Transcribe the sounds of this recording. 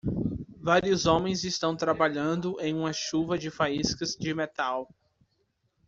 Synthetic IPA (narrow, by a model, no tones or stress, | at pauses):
vaɾiʊzõmẽj̃zɪst̪ɐ̃w̃t̪ɾabaʎɐ̃nd̪ʊʔẽj̃ũmɐʃuvɐd͡ʒɪfaiskɐzd͡ʒɪmet̪aw